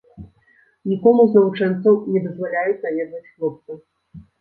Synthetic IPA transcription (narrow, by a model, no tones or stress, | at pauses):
nʲikɔmuznɐvut͡ʂɛnt̪sɐwnʲɛd̪ɐzvalʲajud͡zʲzajʲɛd̪nɐt͡sʲxlˠɔp̚t̪sɨ